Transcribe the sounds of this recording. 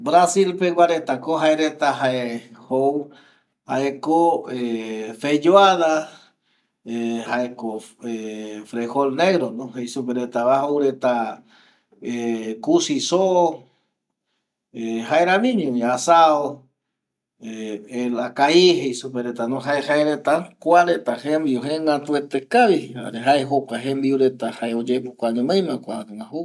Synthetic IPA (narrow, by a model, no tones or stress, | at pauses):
bɾasilpewʷaɾet̪akoɦaeɾet̪aɦaehow | haekoefed͡ʒoaða | haekoefɾeholneɣɾonõɦejsupeɾet̪aβahowɾet̪a | ekusiso | eɦaeɾanĩɲõaasao | eelakaiɦejsupeɾet̪anõɦaehaeɾet̪akʷaɾet̪ahembiuɦeŋãt̪uet̪ekaβia̰ɾeɦaeɦokaɦemd̪iuɾet̪ahaeod͡ʒepukʷaɲõmẽj̃mãkʷaŋãhu